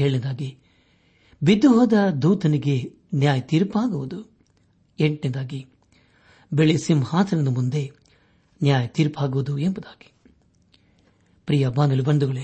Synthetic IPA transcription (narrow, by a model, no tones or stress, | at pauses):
eːɭind̪aːɡi | bid̪ːuɦɔːd̪ɐd̪uːt̪ɐniɡe | njaːjɐt̪iːɾpaːɡuʋud̪u | eɳʈind̪aːɡi | beɭisimhaːt̪ʰɐnɐnɐmund̪e̞ | njaːjɐt̪iːɾpaːɡuʋud̪uembɐd̪aːɡ̥i̥ | pɾijɐbaːnɐlubɐɳɖ̪uɡɐɭe